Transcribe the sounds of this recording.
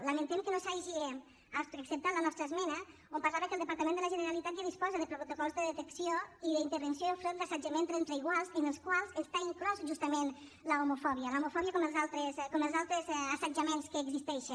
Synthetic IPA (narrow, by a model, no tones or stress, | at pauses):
ləmə̃nt̪ɛmkənosajʒiem | asɾaksəp̚t̪alənɔst̪ɾəzmɛnə | ompaslaβəkəlˠd̪əpaɾt̪əmẽnd̪ələʒənəɾalit̪at̪ʒaðispɔzəðəpɾuut̪ukɔlˠzðəðət̪əksioiðəint̪əɾβənsjofɾond̪asad͡ʒamẽnzent̪ɾəiɣ̞walˠzənəlˠskwalˠzəst̪aiŋklɔzʒust̪əmen | ləumufɔβijələumufɔβiəkɔməlˠzalˠt̪ɾəskɔməlˠzalˠt̪ɾəzəsad͡ʒəmenskəːɡzist̪ɛʃə